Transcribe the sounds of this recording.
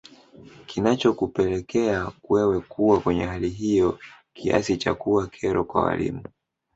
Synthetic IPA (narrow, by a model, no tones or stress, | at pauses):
kinat͡ʃɔkupɛlɛkʰɛakwɛwɛkuwakwɛɲɛɦaliɦijɔ | kʰia̰sit͡ʃa̰kuwakʰɛɾɔkwa̰wa̰lḭmu